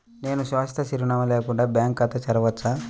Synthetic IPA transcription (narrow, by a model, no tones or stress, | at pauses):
ne̞ːnuʃʋaːst̪ʰɐsiɾiɳɐmɐleːkuɳɖaːbjaːŋkɐt̪ːɐt͡ʃɐɾɐʋɐtt͡ʃːa